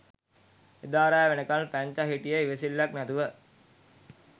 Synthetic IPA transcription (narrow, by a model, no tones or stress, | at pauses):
ed̪aːɾajːʋenəkalpæɲt͡ʃaɦiʈijəiʋesilːaknæt̪uʋə